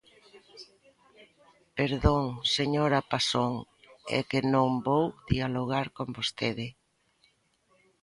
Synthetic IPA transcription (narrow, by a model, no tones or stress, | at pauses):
peɾðoŋseɲoɾapasoŋ | ɛ̰kɪnõmbowðialoɣ̞aɾkombost̪eðɪ